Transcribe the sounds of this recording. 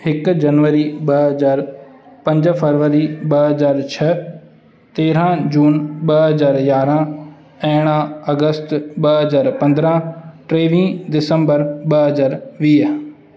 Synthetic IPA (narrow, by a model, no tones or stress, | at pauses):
ɪkd͡ʒənʋəɾiːbəɦəzaːɾpə̃ɲd͡ʒpʰəɾʋəɾiːbəɦəzaːɾt͡ʃʰə | t̪eːɾãːd͡ʒuːnbəɦəzaːɾjaːɾãː | ɛːɽ̃ãːəɡəst̪bəɦəzaːɾpə̃nd̪ɾãːʈɾeːʋĩːd̪ɪsəmbəɾbəɦəzaːɾʋiː